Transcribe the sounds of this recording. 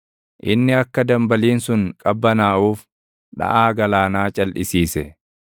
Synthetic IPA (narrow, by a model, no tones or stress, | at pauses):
ʔɪnːɪɐkːɐd̪ɐmbɐliːnsʊŋkʼɐbːɐnaːʔuːf | ᶑɐ̰ʔaːɡɐlaːnaːt͡ʃʼɐlʔɪsiːsɛ